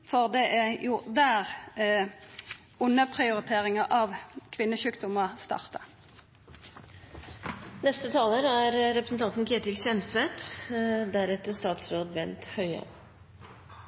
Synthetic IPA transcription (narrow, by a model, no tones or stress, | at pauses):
fɔʁd̪ɛʔjʊd̪æːʁ | ʊnəpʰʁɪʊʁɪt̪ʰeːʁɪŋɑʔɑʋkʰʋɪnːəʃʉːkd̪ʊməst̪ɑ̰ʁt̪ɑ | nɛst̪ət̪ʰɑːləɾæɾɾɛpɾəsn̩t̪ɑnt̪n̩kʰeːt̪ɪlsɛnsʋɛt̪d̪æɾɛt̪əst̪ɑːt̪sɾoːd̪ʋɛnt̪hœʏə̰